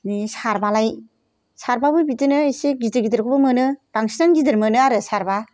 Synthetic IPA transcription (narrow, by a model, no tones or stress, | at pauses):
nisaɾbalaj | saɾbabɯbitɯnɯisiɡidɯɡidɯɾkʰɔbɯmɯnɯɾaŋsinaŋɡidɯɾmɯnɯaɾɯsaɾba